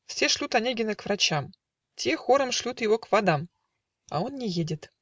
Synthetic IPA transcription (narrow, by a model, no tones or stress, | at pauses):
fsʲeʂlʲut̪anʲeɡʲɪnəkvrat͡ɕam | tʲexoɾəmʂlʲut̪jɪvokvad̪ɑm | a̰onːʲɪjedʲɪt̪